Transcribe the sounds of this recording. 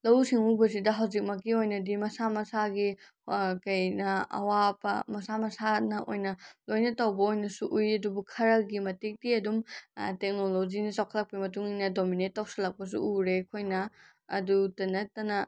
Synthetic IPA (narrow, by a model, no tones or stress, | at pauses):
lɐwsiŋubɐs̬idɐɦɐwzik̚mɐk̬iojnɐdimɐsamɐsaɡi | kɐjnɐɐ̰wabɐ̰mɐsamɐsanɐʔo̰jnɐlojnɐtɐwbɐojnɐsuʔujɐdubukʰɐɾɐɡimɐtik̚diɐdumtek̚nolod͡ʒinɐsawkʰɐlɐk̚pimɐtuŋinɐdominet̚ːawsɐlɐk̚pɐs̬ṵuɾekʰojnɐ̰ː | dutɐnɐtɐnɐ